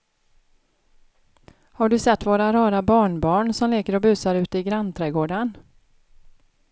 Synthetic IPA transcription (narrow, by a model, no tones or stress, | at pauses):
haɖɵsɛt̪ːvoːɾaɾɑːɾabɑːɳbɑːɳsɔmleːkəɾɔbʉ̟ːsaɾʉ̟ːt̪əɪɡɾant̪ʰɾɛɡoːɖan